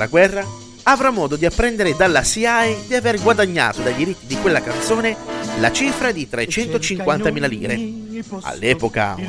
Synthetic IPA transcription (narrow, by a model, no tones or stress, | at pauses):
la̰ɡwɛrːa | avɾamːɔːd̪od̪iapːɾɛnd̪eɾed̪alːasiajd̪iaveɾɡwad̪aɲːa̰ːt̪od̪ajd̪iɾit̪ːid̪ikwelːakant̪soːnela̰t͡ʃifɾad̪it̪ɾet͡ʃɛnt̪ot͡ʃiŋkwant̪amiːlalḭːɾḛa̰lːɛːpoka̰